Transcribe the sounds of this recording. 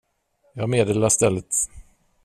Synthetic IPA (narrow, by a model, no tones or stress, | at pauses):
jɑːmeːd̪eːlast̪ɛlːət̪